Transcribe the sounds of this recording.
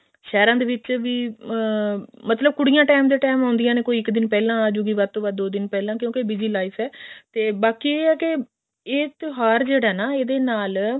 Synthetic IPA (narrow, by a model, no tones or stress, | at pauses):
ʃɛːɾãːd̪eːʋɪt͡ʃʋiː | mət̪ləb̚kʊɽɪjãːʈaːmd̪eːʈɛːmãːnd̪ɪjãːneːkoːiɪkd̪ɪnpɛːlãːd͡ʒuːɡiːʋaːd̪̚t̪õːbaːd̪d̪oːd̪ɪnpɛːlãːkjõːkebɪd͡ʒiːlaːifʰɛːt̪eːbaːkieːɛːke | eːt̪ɦaːɾd͡ʒeːɽaːnaːeːd̪eːnaːl